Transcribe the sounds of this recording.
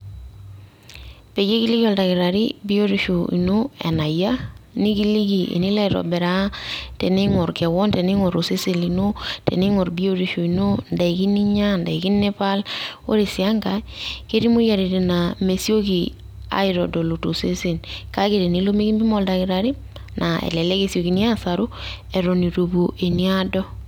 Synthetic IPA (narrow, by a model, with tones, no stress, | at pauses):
pe˨d͡ʒe˦ki˦li˦ki˦ɔ˨lda˨ki˨ɾa˨ɾḭ˦bi˦o˦ɾi˨ʃo˨ḭ˨no˦ḛ˨na˨ja˦ni˦ki˦li˦ki˨ʔḛ˨ni˦la˦˨ɾɔ̰˨be˨ɾa˦te˨ni˦ŋɔ˨ɾkɛ˨wɔ˦nte˨ni˦ŋo˨ɾo˨se˦se˨li˨no˦tɛ̰˨ni˦ŋo˨ɾbi˦o˦ɾi˨ʃo˨i˨no˦nda˨i˨ki˦ni˦ɲa˦nda˨i˨ki˦nːe˦pa˦lo̰˦ɾe˨si˨a˦ŋɡa˨˦ke˦ɾi˦mo˦ja˨ɾe˨ɾe˨na˨me˨so˦ki˨ | a̰˨˦i˨ɾɔ˨do˨lo˨to˨se˦se˨nka˦ke˨ɾe˨ni˦lo˦me˦ki˦mbi˦mɔ˦˨lda˨kɪ˨ɾa˨ɾi˦ | na˨ḛ˨lɛ˨le˦ke˦˨sjo˨ki˨ni˦a˦sa˨ɾo˦ | ɛ˨ɾo˨ni˨ɾo˨bo˨ʔe˨ni˦a˦dɔ˦